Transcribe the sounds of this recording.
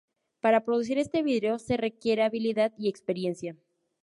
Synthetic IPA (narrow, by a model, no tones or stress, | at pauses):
paɾapɾoðus̬iɾe̞st̪e̞βiðɾeo̞se̞re̞kje̞ɾe̞aβiliðaðie̞kspe̞ɾje̞nsja